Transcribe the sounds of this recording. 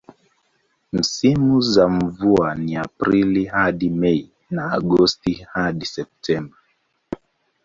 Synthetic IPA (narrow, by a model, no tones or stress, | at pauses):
m̩simuzam̩vuaniapɾilihaɗimɛi | naːɡɔstihaɗisɛp̚tʰɛmba